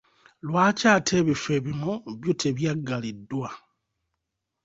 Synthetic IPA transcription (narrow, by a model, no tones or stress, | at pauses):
lwaːcaːtʰe̞ːβife̞βinoβjutʰe̞βjaɡːalidːwa